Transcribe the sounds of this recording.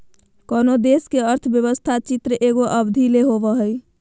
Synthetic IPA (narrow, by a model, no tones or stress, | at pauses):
kɔːnod̪eskeəɾt̪ʰəbjəbəst̪ʰat͡ʃit̪ɾəʔeɡoʔəbd̪ʱileɦoʋəɦəj